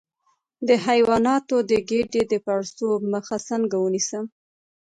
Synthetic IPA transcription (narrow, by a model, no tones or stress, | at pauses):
d̪əhajwɑnɑt̪od̪əɡeɖed̪əpaɽsoməxasəŋɡawənisəm